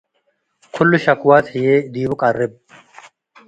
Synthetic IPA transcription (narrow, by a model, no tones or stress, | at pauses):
kʰʊlːʊʃɐkwaːt̪hɪjeːd̪iːbʊkʼɐrːɪb̚